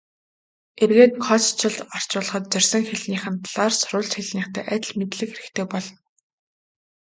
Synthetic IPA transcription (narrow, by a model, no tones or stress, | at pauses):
erɣeːt̪̚kʰɔt͡st͡ɕʰɪ̆ɮt̪ɔr̥t͡ɕʊːɮə̆χɞ̆t̪̚t͡sœrʲsə̆ŋxeɮniːχɘ̆nt̪ʰɮaːrsʊɾʊːɮt͡ɕxeɮniːχt̪ʰæ̰ːʔæt̪̆ɮmet̪ɮɘ̆kxeɾɘ̆kt̪ʰeːpɔɮɞ̆n